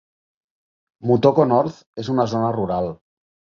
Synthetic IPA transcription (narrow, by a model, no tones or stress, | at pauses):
mut̪okonɔɾθ | ezunazonəruɾalˠ